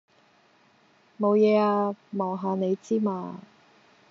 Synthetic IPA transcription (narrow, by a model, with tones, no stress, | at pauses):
mo˨˧wjɛː˨˧aː˧mɔː˨˩ŋɦaː˨˧ne˨˧jt͡siː˥ma̰ː˧